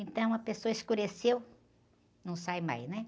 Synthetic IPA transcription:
ẽnt̪ɐ̃w̃ũmɐpesoɐɪskuɾesew | nɐ̃w̃sajma̰jznɛ

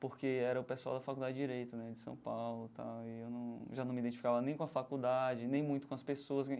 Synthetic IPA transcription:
poɾkeɛɾɐʊpesua̰wd̪ɐfakud̪ad͡ʒɪd͡ʒiɾejt̪ʊnɛd͡ʒɪsɐ̰̃w̃pawlʊt̪a̰wɪewnɐ̃w̃ʒanɐ̃w̃mid̪ẽnt͡ʃifikavɐnẽj̃kõɐfakud̪ad͡ʒɪnẽj̃mũj̃t̪ʊ̥kõɐspesoɐs

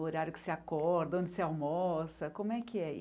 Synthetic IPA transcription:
oɾaɾjʊkɪ̥sɪakɔɾd̪ɐõnd͡ʒɪseawmɔsɐkõmʊɛkɪɛ̰

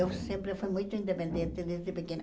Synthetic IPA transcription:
ewsẽmpɾɪfujmũj̃t̪ʊĩnd̪epẽnd̪ẽnt̪ɪðezd̪ɪpekẽn

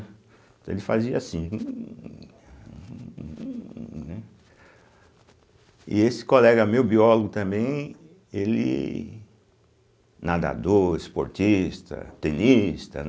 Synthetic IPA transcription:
t̪ɐ̃elɪfaziɐasĩũ | nɛ | ɪ̰esɪ̥kolɛɡɐmewbiɔloɡʊt̪ɐ̃mbẽj̃ | elɪ̰ | nad̪a̰d̪oɾɪspo̰ɾt͡ʃist̪ɐ̰t̪ẽnist̪ɐ̰

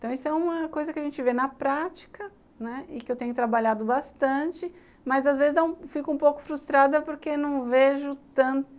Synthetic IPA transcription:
ẽt̪ɐ̃w̃isʊɛũmɐkojzɐkɪɐʒẽnt͡ʃɪvenɐpɾat͡ʃi̥kɐ | nɛɪkɪewt̪ẽɲʊt̪ɾabaʎad̪ʊbast̪ɐ̃t͡ʃɪ | mɐzazvezɪznɐ̃w̃fikũpowkʊ̥fɾust̪ɾad̪ɐpoɾkenɐ̃w̃veʒʊt̪ɐ̃nt̪

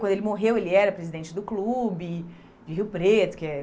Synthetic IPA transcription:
wɐ̃nd̪ʊelɪmoɦewelɪɛɾɐpɾezid̪ẽt͡ʃɪd̪ʊklubɪ | d͡ʒɪɦiwpɾet̪ʊ̥kɪɛ

